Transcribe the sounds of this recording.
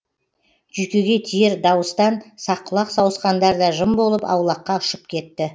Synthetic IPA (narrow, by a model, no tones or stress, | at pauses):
ʒ̥yjkʲeɡʲe̞t̪ʰijeɾd̪ɑwəst̪ɑnsɑqːəlˠɑqsɑwəsqɑnd̪ɑɾd̪ɑʒəmbo̞lˠəpɑ̰wlˠɑqːɑʊʃəp̚kʲʰe̞t̪ːɪ